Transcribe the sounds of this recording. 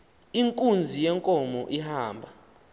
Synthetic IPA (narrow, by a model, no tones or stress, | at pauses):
iŋkʼund͡zʱijɛŋkʼɔmɔ̰ʔihaːmbʱa